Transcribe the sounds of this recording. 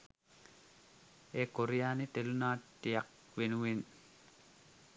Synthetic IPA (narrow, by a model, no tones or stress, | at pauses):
eːkoɾijaːnit̪elunaːʈːijak | ʋenuʋin